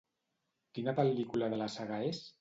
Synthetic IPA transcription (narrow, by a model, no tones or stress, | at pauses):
kinəpəlikulaðəlasaɣaes